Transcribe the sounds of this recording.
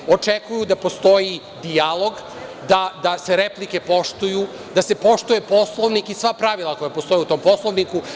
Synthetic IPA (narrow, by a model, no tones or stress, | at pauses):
o̞t͡ʂekujud̪apo̞st̪o̞ji | d̪ijalˠo̞ɡ | d̪ad̪ase̞ɾeplike̞po̞ʃt̪uju | d̪ase̞po̞ʃt̪ujepo̞slˠoʋnikisʋapɾaʋilˠako̞japo̞st̪o̞jiut̪o̞mpo̞slˠoʋniku